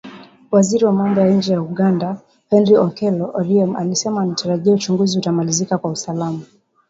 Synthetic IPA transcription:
waziɾiwamamdajaiɲ̩d͡ʒɛjauɠanda | hɛnɾiɔkɛlɔʔɔɾiɛmalisɛmaːnataɾaʄiaut͡ʃuŋɡuziutamalizikakwausalama

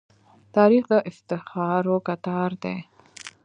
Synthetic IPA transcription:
t̪ʰaːɾiχd̪aʔɪft̪ɪχɑːɾokat̪ʰaːrd̪ḛː

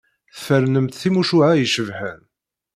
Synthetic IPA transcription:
θfəɾnəmt̪θimuʃuʕajəʃəvħən

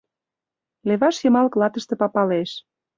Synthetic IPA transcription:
leβɑʃjɤ̆mɑlklɑt̪ə̆ʃt̪ĕpɑpɑleʃ

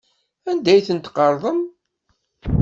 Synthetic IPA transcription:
ænd̪æjθənt̪qəɾˤðˤəm

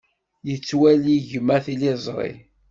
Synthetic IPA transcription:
jət͡sːwæliʝəmæθilizˤɾˤḭ

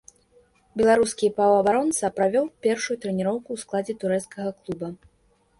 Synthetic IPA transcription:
bʲɛlˠaɾuskʲipavɐɐbaɾɔnt̪sɐpɾavʲɔwpʲɛrʂujut̪ɾɛnʲiɾɔwkuwsklˠad͡zʲɛt̪uɾɛt̪skɐɣɐklˠubɐ

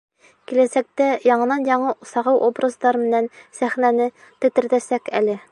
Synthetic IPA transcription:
kilæsæk̚t̪æjɑɴɤ̆nɑnjɑɴɤsɑʁɤwʔobrɤzd̪ˠɑɾmɘ̆nænsæχnænɘ | t̪ɘ̆t̪ɘ̆ɾd̪æsækælɘ

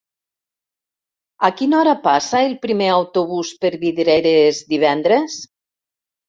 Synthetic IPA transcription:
akinɔɾapasaelˠpɾimeawt̪oβuspəɾβiðɾeɾezd̪iβɛnd̪ɾes

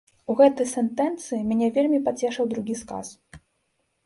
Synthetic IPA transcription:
uɣɛt̪ɨjsɛnt̪ɛnt̪sɨimʲanʲɛvʲelʲmʲipat͡sʲɛʂɐwd̪ɾuɣʲiska̰s

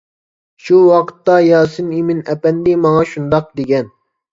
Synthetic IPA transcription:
ʃuwɑqʰə̥t̪ːɑjɑːsɨnimɪnɛpɛnd̪ɪmɑŋɑʃund̪ɑq̚d̪eɡʲɛn

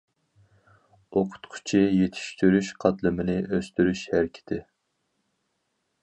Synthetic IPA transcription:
oqʰʊ̥t̪qʰʊ̥t͡ʃʰijet̪ʰi̥ʃt̪ʰyɾyʃqʰɑt̪lˠɨmɪnɪʔøst̪yɾyʃhæɾɪkʲʰɪ̥t̪ʰɪ

